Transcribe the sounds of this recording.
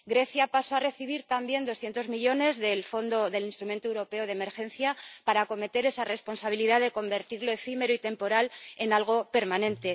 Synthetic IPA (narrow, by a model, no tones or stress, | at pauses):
ɡɾe̞θjapaso̞are̞θiβ̞iɾt̪ambje̞nd̪o̞sθje̞nt̪o̞zmiʎo̞ne̞zðe̞lfo̞nd̪o̞ðe̞linst̪ɾumnt̪oewɾo̞pe̞oð̞eme̞ɾxe̞nθjapaɾako̞me̞t̪e̞ɾe̞sare̞spo̞nsaβiliðaðe̞ko̞mbe̞ɾt̪iɾlo̞e̞fime̞ɾoit̪e̞mpo̞ɾale̞nalɣ̞o̞pe̞ɾmanẽ̞nt̪e̞